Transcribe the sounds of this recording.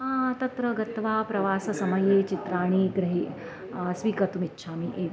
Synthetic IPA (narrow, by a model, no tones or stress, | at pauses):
t̪ɐt̪ɾɐɡɐt̪ʋaːpɾɐʋaːsɐsɐmɐjeːt͡ʃit̪ɾaːɽ̃iɡɾɐɦi | sʋiːkɐt̪umitːʃʰaːmiʔeːʋ